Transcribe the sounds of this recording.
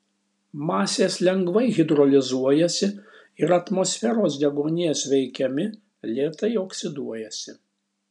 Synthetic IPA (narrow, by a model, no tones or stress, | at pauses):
mɑːsʲeːslʲɛŋɡʋɐɪɣʲɪd̪ɾɔlʲɪzuɔjɛsʲɪ | ɪɾɐt̪mɔsʲfʲɛɾoːsd̪ʲɛɡoːnʲeːsʋʲɛɪkʲɛmʲɪ | lʲeːt̪ɐɪoksʲɪd̪uɔjɛsʲɪ